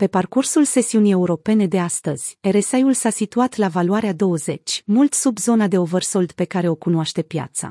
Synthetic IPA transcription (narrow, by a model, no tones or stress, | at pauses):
pe̞parkursulse̞siunije̞uɾo̞pe̞ne̞d̪e̞ast̪əz̥ʲeɾesajulsasit̪uat̪lavaluaɾead̪o̞wəze̞t͡ʃʲmult̪subzo̞nad̪e̞ovərso̞ld̪pe̞kaɾeo̞kunoaʃt̪e̞pja̰t̪sa̰